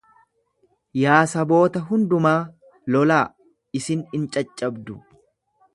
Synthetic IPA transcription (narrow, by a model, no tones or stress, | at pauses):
jaːsɐbo̞ːt̪ɐɦʊnd̪ʊmaː | lɔlaː | ɪsɪnɪnt͡ʃʼɐt͡ʃʼːɐbd̪ʊ